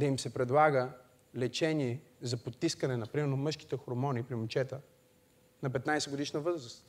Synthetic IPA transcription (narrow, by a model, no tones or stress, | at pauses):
d̪ɐimsɛpɾɛd̪lˠaɡə | lɛt͡ʃɛniɛzɐpot̪ːiskənɛnɐpɾimɛɾnomɤʃki̥t̪ɛxoɾmɔnipɾimut͡ʃɛt̪ə | nɐpɛt̪najsɛɡod̪iʃnəvɤzɾəst̪